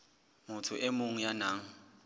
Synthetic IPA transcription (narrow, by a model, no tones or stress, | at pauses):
mʊtʰʊ̰ʔɛmoŋ̩janaːŋ̩